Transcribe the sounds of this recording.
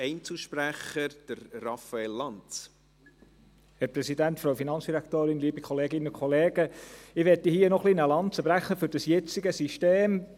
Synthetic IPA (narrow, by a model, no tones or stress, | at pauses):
ɛɪnt͡slʃpɾæχəɾd̥əɾrɑfɑelːɑnt͡s | hɛɾpɾɛsidæntfɾowfinɑnt͡sd̥iɾækt̪oːɾɪnliːbikʰχɔleːɡɪnənʊkʰχɔleːɡ̥əɪʋɛtihiːənɔχlinəlɑntt͡səb̥ɾæχːəfɵɾd̥ɑsjɛt͡siɡəsiʃteːm